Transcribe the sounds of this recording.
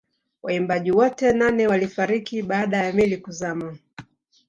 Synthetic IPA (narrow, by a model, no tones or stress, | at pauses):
waimbaʄiwɔtɛnanɛwalifaɾikiɓaːɗajamilikuzama